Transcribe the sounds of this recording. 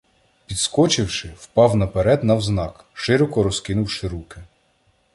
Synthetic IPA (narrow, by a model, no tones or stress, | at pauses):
pʲid̪skɔt͡ʃɪwʃɪwpɑwnɐpeɾɛd̪nɐwznɑk | ʃɪɾɔkɔɾɔskɪnʊwʃɪɾukɪ